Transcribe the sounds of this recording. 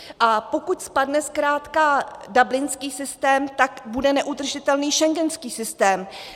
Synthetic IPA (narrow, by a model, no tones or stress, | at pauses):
ʔapokucspadnɛskɾaːt̪kadablɪnskiːsɪst̪ɛːmt̪akbudɛnɛʔud̪r̩ʒɪt̪ɛlniːʃɛŋɡɛnskiːsɪst̪ɛːm